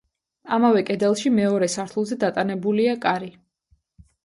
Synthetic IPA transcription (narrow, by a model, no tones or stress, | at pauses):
amavɛkʼɛd̪ɛlˠʃimɛɔɾɛsaɾt̪ʰulˠzɛd̪at̪ʼanɛbuliakʼaɾi